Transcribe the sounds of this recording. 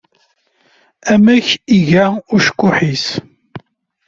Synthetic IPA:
æmæçiʝaʊɾʃə̥kʷːʊħis

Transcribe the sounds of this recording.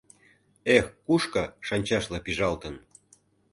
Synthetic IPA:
exkuʃkɤʃɑnʲt͡ɕɑʃlɤpiʒɑlt̪ə̆n

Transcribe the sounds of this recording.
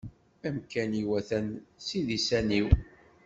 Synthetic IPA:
æmkæniwæθænsiðisæniw

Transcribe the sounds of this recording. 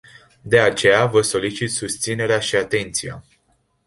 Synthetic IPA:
d̪e̞at͡ʃe̞javəso̞lit͡ʃit̪sust̪sine̞ɾeaʃiat̪e̞nt̪sija̰

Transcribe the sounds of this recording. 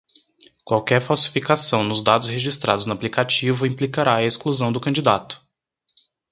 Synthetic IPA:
kwawkɛɾfawsi̥fikasɐ̃w̃nʊzd̪ad̪ʊsheʒist̪ɾʔa̰d̪ʊznʊaplikat͡ʃivʊĩmplikaɾaɐeskluzɐ̃w̃d̪ʊkɐ̃d͡ʒid̪at̪ʊ̥

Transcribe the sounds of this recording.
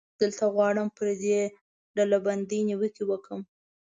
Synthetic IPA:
d̪̥əlt̪aɣwɑɽəmpəɾd̪e | ɖalaband̪ijniwəkiwəkəm

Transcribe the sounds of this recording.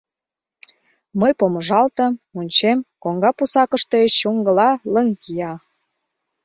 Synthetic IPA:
məjpoməʒɑlt̪ə̆munʲt͡ɕemkoŋɡɑpusɑkəʃt̪et͡ɕuŋɡə̆lɑləŋkijɑ

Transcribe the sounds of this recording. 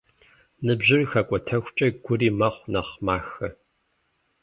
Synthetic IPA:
nɨbʑɪrxɐkʷʼɔtʰɐxʷt͡ʃʼɐɡʷʊriːmɐχʷnɐχmaːxɐ

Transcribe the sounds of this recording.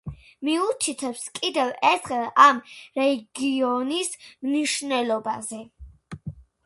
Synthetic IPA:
miut̪ʰit̪ʰɛpskʼid̪ɛvɛɾt̪ʰχɛlamɾɛɡiɔnismniʃnɛlɔbazɛ

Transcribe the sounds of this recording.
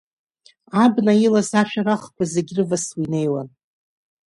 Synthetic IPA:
abnailasaʃᶣaɾaχkʷʰazeɡʲrɨvaswine̞jwan

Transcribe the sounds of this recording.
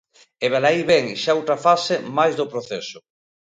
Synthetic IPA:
eβalaiβɛŋʃaowt̪ɾafasemajzðopɾoθesʊ

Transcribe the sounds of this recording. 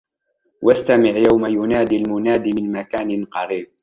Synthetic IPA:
wʔast̪amɪʕjawmajʊnaːd̪iːlmʊnaːd̪iːmɪnmakaːnɪnqɑɾiːb̚

